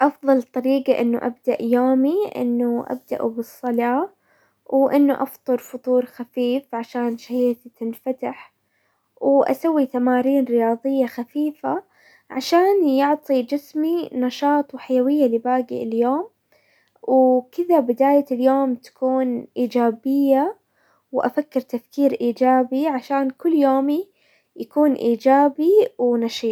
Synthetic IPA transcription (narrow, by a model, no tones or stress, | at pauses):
ʔɑfðˤɑlt̪ˤɑɾiːɡaʔɪnːṵʔabd̪aʔjoːmiʔɪ̰nːuʔa̰b̚d̪a̰ʔṵbɨsˤːɑlɑː | wʔɪnːuʔɑft̪ˤɨɾˤfʊt̪ˤuːɾxafiːfʕaʃaːnʃahiːt̪t̪ɪnfat̪aħ | wʔa̰sawːit̪amaːɾiːnɾɪjɑːðˤɨjːaxafiːfa | ʕaʃaːnjʊʕt̪ˤid͡ʒɪsminɑʃɑːt̪ˤwħajawɪjːalɪbaːɡɪ̰ʔɪ̰ljoːm | wkɪd̪abɪd̪aːjaljoːmt̪ḁkuːnʔiːd͡ʒaːbɪjːa | wʔa̰fakːɪɾt̪afkiːɾʔiːd͡ʒaːbiʕaʃaːnkʊlːjoːmi | jakuːnʔiːd͡ʒaːbiwnɑʃiːt̪